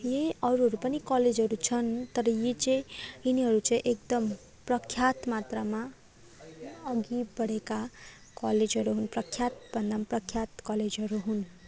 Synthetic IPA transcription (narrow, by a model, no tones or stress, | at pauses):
jeʌɾuɦʌɾupʌnikaled͡zʱɦʌɾut͡sʰʌnt̪ʌɾʌjet͡saĩiniɦʌɾut͡saĩʔek̚d̪ʌm | prʌkʰjat̪mat̪rama | ʌɡibʌɽeka | kaled͡zɦʌɾuɦunprʌkʰjat̪bʱʌnd̪amaprʌkʰjat̪kʌled͡zɦʌɾuɦun